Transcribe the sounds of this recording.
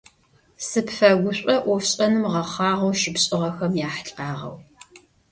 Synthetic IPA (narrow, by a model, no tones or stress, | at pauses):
sɨpfɐɡʷʊɕʷʼɐʔʷɔɕʼɐnɨmʁɐχɑːʁɐwʃɪpɕʼɪʁɐxɐmjaːħɬʼqɑːʁɐ̰w